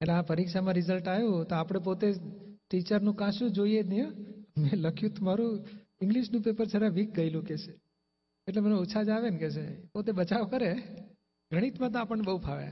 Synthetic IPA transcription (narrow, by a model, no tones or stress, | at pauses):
eʈleapəɾikʃamãɾizəlʈajũt̪oapɽ̃ep̬ot̪eʈit͡ʃəɾnũkãʃũd͡ʒoied̪nijə̃meləkʰjũt̪maɾũ | ɪŋɡliʃnũpepəɾt͡ʃʰəɾaʋik̚ɡəilũket͡ʃʰe̥ | eʈleməneuːt͡ʃʰad͡ʒaʋenket͡ʃʰepot̪ebət͡ʃaʋkəɾe | ɡʱəɽ̃it̪mãt̪̬oapəɳebəupʰaʋḛ